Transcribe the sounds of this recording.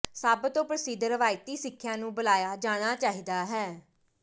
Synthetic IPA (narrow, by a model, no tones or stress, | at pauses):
saːbət̪õːpɾəsɪd̪ɾəʋaːɪt̪iːsɪkʰːjãːnũːbəlaːjaːd͡ʒaːɽ̃aːt͡ʃaːɦiːd̪aːɦɛː